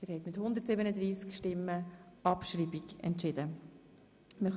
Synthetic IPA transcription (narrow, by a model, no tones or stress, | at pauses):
d̪̥ɪːɾhɛt̪mɪt̪hʊnd̪əɾtsɪbənəd̪ɾiːskʃtɪmːəɑpʃriːbiɡɛ̰ntʃɪd̪ə | mɪχ